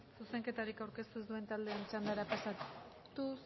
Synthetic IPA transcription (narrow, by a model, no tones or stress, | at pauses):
suse̞ŋke̞t̪aɾikawɾke̞st̪uezd̪ue̞nt̪ald̪e̞ːnt͡ʃand̪aɾapasa | t̪u